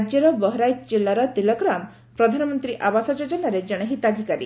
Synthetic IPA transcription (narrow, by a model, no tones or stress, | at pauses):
d͡ʒjɔɾɔbɔɦɔɾajd͡ʒd͡ʒelːaɾɔt̪ilɔɡɾam | pɾɔd̪ʱanɔmɔnt̪ɾiʔabasɔd͡ʒɔd͡ʒɔnaɾed͡ʒɔɽ̃eɦit̪ad̪ʱikaɾḭ